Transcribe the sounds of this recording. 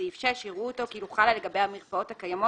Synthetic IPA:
eifʃeʃiʁuoto̞kiluχalaleɡabejhameʁpao̞thakajamo

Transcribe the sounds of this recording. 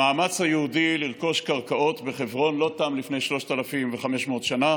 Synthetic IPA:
aːmat͡shajeudiliʁko̞ʃkaʁkaʔo̞t̪be̞χevʁo̞nlo̞tamlifne̞jʃlo̞ʃt̪alafimveχameʃmo̞ːt̪ʃana

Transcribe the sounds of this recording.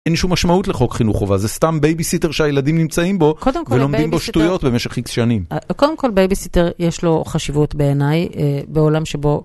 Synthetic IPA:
enʃumːaʃmautleχo̞kχinuχovazest̪ambejbisite̞ʁʃeajeladimnimt͡saimbo̞kʰod̪emkvoelomb̪imboʃtujo̞tbemeʃe̞χiksʃanimakod̪emko̞lbejbisiteʁjeʃlo̞χaʃivutbe̞ːnajbeolamʃebo̞

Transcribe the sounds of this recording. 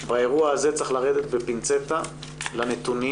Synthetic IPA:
bae̞ʁuaaze̞t͡saχlaʁed̪et̪bepint͡set̪a | lanet̪uni

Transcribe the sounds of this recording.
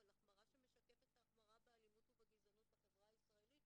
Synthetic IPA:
olaχmaʁaʃeme̞ʃakefet̪aχmaʁabealimutubaɡizanuthaχevʁaːisʁae̞lit

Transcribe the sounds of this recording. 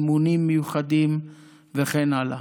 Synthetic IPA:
munimːejuχad̪im | veχenala̰

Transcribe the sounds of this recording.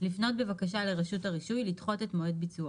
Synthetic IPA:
lifno̞t̚bevakaʃale̞ʁeʃutaʁiʃujlitχo̞tetmoed̚bit͡sua

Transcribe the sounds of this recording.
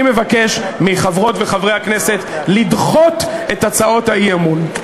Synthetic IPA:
ime̞vake̞ʃmiχavʁo̞tve̞χavʁehakne̞set̪lidχo̞t̪e̞tat͡sao̞thaiamun

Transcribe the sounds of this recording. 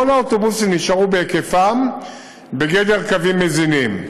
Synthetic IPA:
onaot̪o̞busimniʃaʁubeke̞fam | be̞ɡe̞d̪e̞ʁkavimːezinim

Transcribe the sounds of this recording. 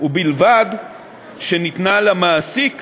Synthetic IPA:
ubilvad̪ | ʃenit̪nalamaːsik

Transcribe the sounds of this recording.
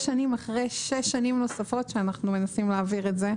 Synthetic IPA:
ʃanimaχʁejʃeʃːanimno̞safo̞tʃeanaχnume̞nasimleaːviʁetze

